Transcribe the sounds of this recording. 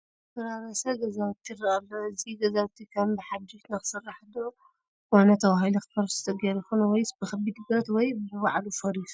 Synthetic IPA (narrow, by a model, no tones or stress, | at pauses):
fɐɾaɾɐsɐɡɐzaβt̪ʰːiɾɐʔalːoɨziɡɐzaβt̪ʰikʰɐmbɨħad͡ʒɪʃnɐxɨ̥sɨrːaħd̪o | wanɐt̪ʰɐwaɦilixɨ̥fɐɾsɨ̥t̪ʰʼɐɡeɾɨxunwɔjsbɨxɐbid̪ɡɾɐt̪wɔjbɨɨwaʕlufɐɾis